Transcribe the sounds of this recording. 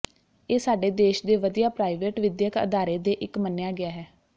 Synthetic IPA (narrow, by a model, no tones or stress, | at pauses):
eːsaːɖeːd̪eːʃd̪eːʋəd̪ijaːpɾaːiʋeːʈʋɪd̪jəkə̰d̪aːɾeːd̪eːʔɪkmənjaːɡɪaːɦɛː